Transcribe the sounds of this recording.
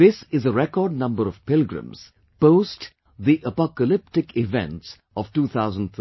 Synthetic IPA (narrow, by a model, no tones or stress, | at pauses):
ɪsɪzəɾɛkɔːɾɖ̚nʌ̃mbəɾɔv̥pɪlɡɾə̰̃mz̥ | poʊsʈ | ðiʔəpɔkəlɪp̚ʈɪkɪvɛ̰̃nʈs | ɔʋʈuːt̪ʰaʊzə̃nɖ